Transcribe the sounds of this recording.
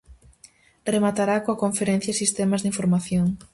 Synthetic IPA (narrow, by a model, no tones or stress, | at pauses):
remat̪aɾakoakoɱfeɾẽn̟θjasist̪emazðiɱfoɾmaθjoŋ